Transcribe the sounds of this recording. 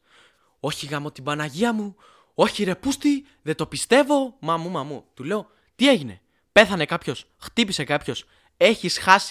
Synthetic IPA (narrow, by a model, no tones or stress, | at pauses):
o̞çiɣɐmo̞t̪ibɐnɐʝiɐmu | o̞çiɾe̞pust̪i | ðe̞t̪o̞pist̪e̞vo̞mɐmumɐmut̪ule̞o̞ | t̪ie̞ʝine̞̰ | pe̞θɐne̞kɐpço̞s | xt̪ipise̞kɐpço̞s | e̞çisxɐs